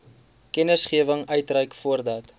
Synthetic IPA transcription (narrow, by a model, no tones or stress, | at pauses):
kɛnəsχiəvəŋœɥtrɛjkfuərdɐt